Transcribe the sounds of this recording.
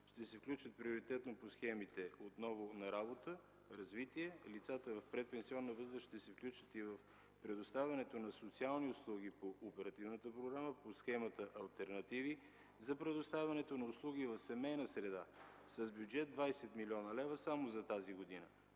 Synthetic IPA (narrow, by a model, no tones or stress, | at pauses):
ʃt̪ɛsɛfklʲut͡ʃət̪̚pɾioɾit̪ɛt̪noposxɛmit̪ɛot̪nɔvʊnɐɾabot̪ə | ɾɐzvit̪iɛlit̪sat̪əvɐfpɾɛt̪̚pɛnsiɔnːəvɤzd̪əʃt̪ɛsɛfklʲut͡ʃə̥t̪ivəf | pɾɛd̪ost̪avʲɐnɛt̪onɐsot̪sialˠniʊslˠuɡ̟ipoʔopɛɾɐt̪ivnət̪əpɾoɡɾaməposxɛmɐt̪əʔɐlˠt̪ɛɾnɐt̪ivi | zɐpɾɛd̪ʊst̪avʲɐnɛt̪onɐʊslˠuɡivɐfsɛmɛjnəsɾɛd̪a | sɐzbʲjud͡ʒɛd̪̚d̪vajsɛt̪milʲiɔnəlɛvəsamozɐt̪aziɡod̪inə̰